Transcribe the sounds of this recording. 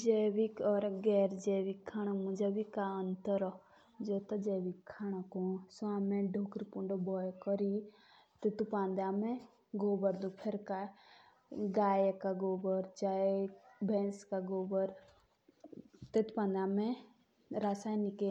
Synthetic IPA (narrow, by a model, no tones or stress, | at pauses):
d͡ʒeːʋikɔɾɡɛːɾd͡ʒeʋikʰːaːɽ̃amũd͡ʒabikaənt̪əɾɔ | d͡ʒot̪ad͡ʒeʋikʰːaːɽ̃akõsuaːmẽɖʱoːkɾipuɳɖobɔjkɔɾi | t̪et̪upãːnd̪aːmẽ | ɡoːbəɾd̪upʰeɾka | ɡaːjekaɡoːbɔɾt͡ʃaːebʱẽːnskaɡoːbɔɾ | t̪et̪pãːnd̪amẽ | ɾasaːnike